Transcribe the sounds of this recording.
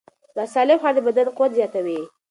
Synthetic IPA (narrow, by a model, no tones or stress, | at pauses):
d̪ɑsɑlɪmxɑɾd̪əbad̪anqʊwat̪zjɑt̪awi